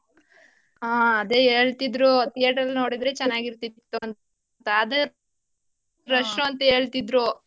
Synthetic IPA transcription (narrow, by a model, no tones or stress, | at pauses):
aːɐd̪eeːɭt̪id̪ɾut̪ijɐʈɐlːno̞ːɽid̪ɾet͡ʃɛnːaːɡiɾt̪it̪ːun | t̪ɐːd̪ɐ | ɾɐʂnuɐnt̪ɐe̞ːɭt̪id̪ɾu